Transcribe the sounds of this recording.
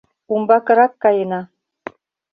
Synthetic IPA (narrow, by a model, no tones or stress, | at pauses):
umbɑkɤ̆ɾɑkːɑjenɑ